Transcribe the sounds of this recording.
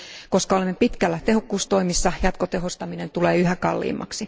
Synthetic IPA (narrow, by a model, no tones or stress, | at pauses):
koskɑolemːepit̪kælːæt̪ehokːuːst̪o̞imisːɑjɑt̪kot̪eɦost̪ɑminent̪uleːyɦækɑ̰lːḭːmːɑ̰ksi